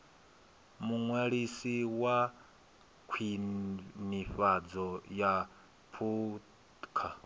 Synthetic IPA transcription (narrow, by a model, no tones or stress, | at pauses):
muŋwɛɺisiwa | kʰwi | niɸad͡zɔja | pʰu | kʰa